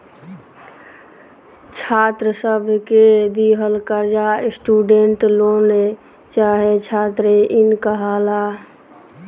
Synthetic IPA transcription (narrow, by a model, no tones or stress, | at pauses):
t͡ʃʰat̪ɾəsəbʱked̪iɦəlkəɾd͡ʒasʈuɖeɳʈlone | t͡ʃaɦet͡ʃʰat̪ɾeʔinkəɦala